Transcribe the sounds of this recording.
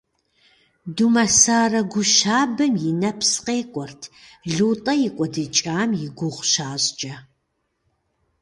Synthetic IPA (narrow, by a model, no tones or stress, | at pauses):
dumɐsaːrɐɡʷʊʃaːbɨmjɪnɐpʰsqeːkʷʼɔrtʰɮuːtʼɐjɪkʷʼɔdɨt͡ʃʼaːmjɪɡʷʊʁʷʃaːɕd͡ʒʼɐ